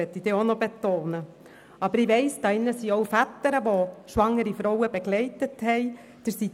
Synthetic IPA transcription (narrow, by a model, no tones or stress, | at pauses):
ɛt̪ːid̥eːonɔbet̪oːnə | ɑbəɾɪʋɛɪsd̥ɑːɪnːəsiːowfætəɾəʋoʃʋɑŋːəɾifɾɔwəbɛɡlɛɪtəthɛɪ | d̥əɾsi